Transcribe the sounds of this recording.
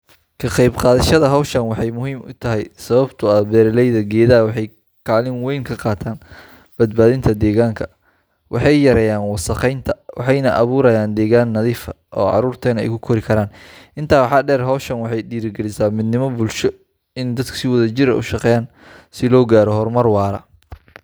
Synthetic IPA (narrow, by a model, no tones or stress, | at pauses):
kʰɐqɑjbqɑːðɐʃɐðɐɦɔwʃɐnwɑħɑjmʊɦiːmʊt̪ʰɐɦɛjsɐβɐbt̪ʰʊɐbɛːɾɐlɛjðɐɡɛːðɐwɑħɑj | kʰaːlɪnwɛjŋkʰɐqɑːt̪ʰaːn | b̥ɐd̪̚baːðɪnt̪ʰɐd̪ɛːɣaːŋkʰɐ̥ | wʔɑħɑjjɐɾɛːjaːnwɑsɐqɛjnt̪ʰɐwʔɑ̰ħɑjnɐʔɐβuːɾɐjaːnd̪ɛːɣaːnːɐðiːfɐ | ʔɔːʕɑ̰ɾuːrt̪ʰɛːnɛ̰jkʰʊkʰɔɾɪkʰɐɾaːnʔɪnt̪ʰaːħɑːɖɛːrɦɔwʃɐnwɑħɑjɖiːɾɪɡɛlɪsaːmɪd̪nɪmɔbʊlʃɔ | ɪnd̪ɐd̪kʰɐ̥sɪwɔðɐt͡ʃɪɾɐ̰ʔʊ̰ʃɑqɛːjaːn | sɪlɔːɡaːɾɔhɔrmɐrwɑːɾɐ̰